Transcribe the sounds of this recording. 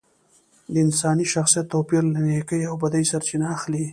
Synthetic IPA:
d̪əɪnsɑniʃaxsijat̪ːopiɾlanekəjawbad̪ajsaɾt͡ʃinaːxli

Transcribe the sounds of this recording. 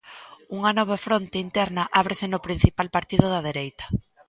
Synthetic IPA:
uŋanɔβ̞efɾont̪eint̪ɛɾnɐʔaβ̞ɾesɪnʊpɾin̟θipalpaɾt̪iðʊðɐðeɾejt̪ɐ̥

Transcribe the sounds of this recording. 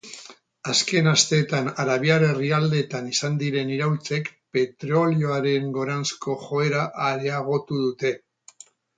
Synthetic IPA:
aske̞nast̪e̞ːt̪anaɾaβiaɾe̞riald̪e̞t̪anisand̪iɾe̞niɾawlt͡se̞kpe̞t̪ɾo̞lio̞aɾe̞ŋɡo̞ɾansko̞ʝo̞e̞ɾaʔːɾeaɣ̞o̞t̪uðut̪e̞

